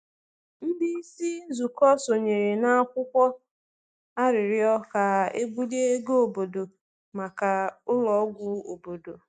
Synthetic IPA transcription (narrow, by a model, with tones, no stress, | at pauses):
n̩˦di˦i˦si˦zu˨kɔ˦so˨ɲe˨ɾe˨na˦a˦kʷʊ˦kʷɔ˦ | a˦ɾɪ˨ɾɪ˦ɔ˦ka˨e˦ɡ͡bu˦le˦ɡo˨bo˨do˨ | ma˨ka˨ʊ˦lɔ˨˦ɡʷʊ˦o˨bo˨do˨